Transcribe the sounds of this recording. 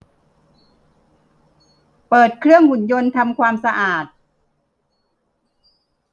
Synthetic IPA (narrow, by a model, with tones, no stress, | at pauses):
pɤː˨˩t̪̚kʰɾɯ˥˩əŋhu˨˩˦njo˧nt̪ʰa˧mkʰwaː˧msa˧ʔaː˨˩t̪̚